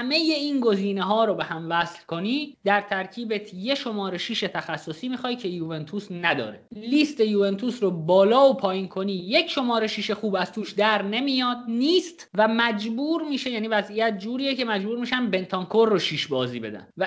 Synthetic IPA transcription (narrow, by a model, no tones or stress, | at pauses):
æmeje̞iːnɡo̞ziːne̞ɦɒːɾobe̞hæmvæslko̞niːd̪̥æɾt̪ʰæɾcʰiːbet̪ʰje̞ʃo̞mɒːɾe̞ʃiːʃe̞t̪ʰæxæsːo̞siːmiːxɒːjcʰe̞juːve̞nt̪ʰusnæd̪ɒ̰ːɾeliːst̪e̞juːve̞nt̪ʰuːsɾobɒːlɒːopʰɒːjiːnkʰo̞niːjecʰʃo̞mɒːɾe̞ʃiːʃe̞xuːbæz̥t̪ʰuːʃd̪æɾne̞mijɒːd̪̚niːst̪væmæd͡ʒbuːɾmiːʃe̞jæːniːvæzʔijæt̪̚ʰd͡ʒuːɾiːjecʰe̞mæd͡ʒbuːɾmiːʃænbe̞nt̪ʰɒŋkʰoɾːoʃiːʃbɒːziːbe̞d̪æ̰nvæ